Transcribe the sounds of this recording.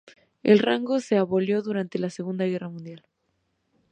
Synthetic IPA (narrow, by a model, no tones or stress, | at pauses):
ḛlraŋɡo̞se̞aβo̞ljo̞ðuɾant̪e̞laseɣund̪aɣe̞ramũnd̪jal